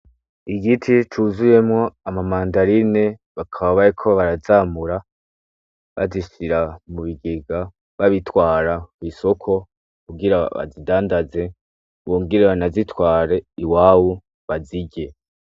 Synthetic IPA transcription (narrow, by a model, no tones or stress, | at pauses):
iɡitʰit͡ʃuːzuje̞mŋo̞amamaːndaɾine̞βakʰaβaβaɾikʰo̞βaɾazaːmuɾa | βa̰ziʃiɾamuβiɡeɡa | βaβitwaːɾaβiso̞kʰo̞ | kuɡiɾaβa̰zidaːndaze̞ | βoːŋɡiɾeanazitwaːɾe̞iwaːwu | βaziɟe̞